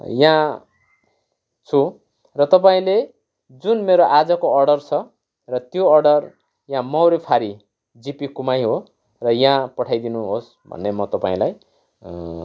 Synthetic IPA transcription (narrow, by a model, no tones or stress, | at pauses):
jã | t͡sʰu | rʌt̪ʌpaĩle | d͡zunmeɾoʔad͡zʌkoʌrɖʌrt͡sʰʌ | rʌt̪joʌrɖʌr | jãmʌwɾepʰaɾi | d͡zipikumajɦo | rʌjãpʌʈʰajd̪inuɦos | bʱʌ̰nːemʌt̪ʌpaĩlaj